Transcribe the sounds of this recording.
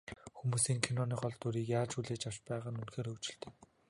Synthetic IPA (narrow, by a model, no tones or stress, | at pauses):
xumuːsiːŋkʰenɔniːχɔɮt̪uɾiːkjaːt͡ɕuɮeːt͡ɕaw̥t͡ɕpæːʁaːnunxeːɾːuwt͡ɕɪ̆ɬt̪e̥ː